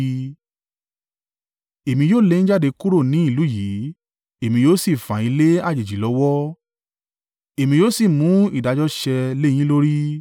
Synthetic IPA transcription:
e˨mĩ˧joː˦˨le˧nĩ˦d͡ʒa˦˨de˧ku˦ɾo˦˨nĩ˨˦i˦˨lu˨˦ji˨˦ | e˨mĩ˧joː˦si˦˨fã̰˨i˨˧˦le˦a˦˨d͡ʒe˨d͡ʒi˨lɔ˨˦wɔ˦ | e˨mĩ˧joː˦si˦˨mũ˨˦ḭ˦˨da˨˧d͡ʒɔ˦ʃɛ˧lẽ˦ĩ˦lo˦ɾi˦

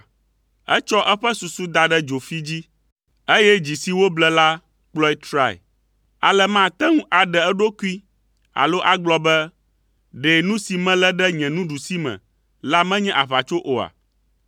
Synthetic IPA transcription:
ɛ̰˦t͡ʃɔ˦ʔɛ˦ɸɛ˦su˨su˦d̪a˨ɖɛ˦d͡ʒo˨fi˦d͡ʑi˦ | e˦jɛ˦d͡ʑi˨si˨wo˦blɛ˦la˦ | k͡plɔ˦i˦t̪ɾa˦˨ḭ˨ | a˨lɛ˦mã˦t̪ɛ˦ŋũ˦ʔa˨ɖɛ˨ɛ˦ɖo˦ku˦i˦ | a̰˨lo˦ʔa˦ɡ͡blɔ˦bɛ˦ | ɖe˨nũ˦si˨mɛ̃˦lɛ˦ɖɛ˦ɲɛ̃˨nũ˦ɖu˨si˦mɛ̰̃˨ | la˦mɛ̃˦ɲɛ̃˦ʔa˨βa˨t͡ʃo˦ʔo˨a̰˨

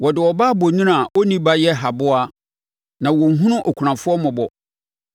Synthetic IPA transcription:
wɔ˨dɪ˨wɔ˨baː˦bo˨nũ˦nã˨wɔ˦nĩ˦ba˦jɛ˦ɦa˨bʊ˦a˦ | nã˨wɔ˨ŋ̩˨ɦũ˦nʊ̃˦ʔɔ˨kʷʰɾã˨fʊ˦ɔ˦mʊ̃˨bɔ˨

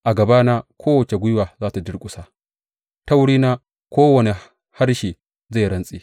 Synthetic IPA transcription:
ʔa˨ɡɐ˨baː˦na˦kʰʷoː˦wɐ˨t͡ʃe˨ɡʷʊ˦jwaː˨zaː˦ta˨d͡ʒɪ˦ɽkʷʼʊ˨sa˦˨ | ta˦wɽiː˦naː˦ | kʷoː˦wɐ˨ne˨ | ha˦rʃiː˨ | za˦˨ɾɐ˦nsʼiː˦

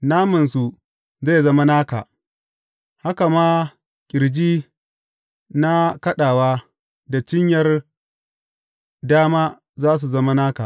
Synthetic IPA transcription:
naː˦mɐ˨ns̬u˨ | ze˦˨zɐ˦ma˦naː˦ka̰ː˨ʔ | ha˦ka˨maː˦ | kʲʼɪ˨ɾd͡ʒiː˦ | na˦kɐ˦ɗaː˨waː˦ | da˨t͡ʃɪ˦ɲjɐ˦r | daː˦maː˦ | zaː˦s̬u˨zɐ˦ma˦naː˦ka̰˨

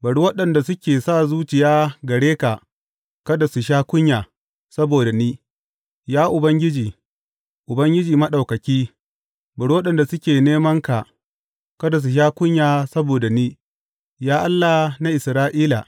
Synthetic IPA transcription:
bɐ˨ɽu˦wɐ˦ɗɐ˨nda˨sʊ˦kʲeː˨saː˦˨zuː˦t͡ʃɪ˨jaː˦ɡɐ˨ɽeː˦ka˨ | kɐ˦da˨su˨ʃ̬aː˦kʷʊ˦ɲjaː˨ | sɐ˦boː˨da˨niː˦ | jaː˦ʔʊ˨bɐ˦ŋɡʲɪ˦d͡ʒiː˨ | ʔʊ˨bɐ˦ŋɡʲɪ˦d͡ʒiː˨mɐ˦ɗa˨wkɐ˨kʲiː˦ | bɐ˨ɽu˦wɐ˦ɗɐ˨nda˨sʊ˦kʲeː˨neː˦mɐ˦ŋka˨ | kɐ˦da˨s̬u˨ʃ̬aː˦kʷʊ˦ɲjaː˨sɐ˦boː˨da˨niː˦ | jaː˦ʔa˦lːa˨na˦ʔɪ˨sɾaː˦ʔiː˦la̰˨

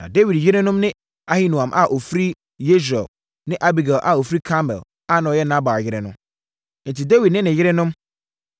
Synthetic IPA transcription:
nã̰˨de˦wi˨djɪ˦ɾɪ˦nʊ̃˦mnɪ̃˦ | a˦hi˦nũ˨ã˨mʔa˨ʔo˨fi˦ɾi˦ | je˦ʃ̬ɾɛ̰˨l | nɪ̃˦ʔa˦bi˨ɡa˨lʔa˨o˨fɾi˦kʰã˦mɛ̰˨l | a˦˨nã˨ɔ˨jɛ˦nã˦ba˨jɪ˦ɾɛ˦nʊ̃˦ | n̩˨ti˨de˦wi˨d̚nɪ̃˦nɪ̃˨jɪ˦ɾɛ˦nʊ̃˦m

